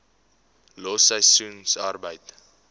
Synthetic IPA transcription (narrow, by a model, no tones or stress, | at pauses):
lɔsəjsunsarbəjt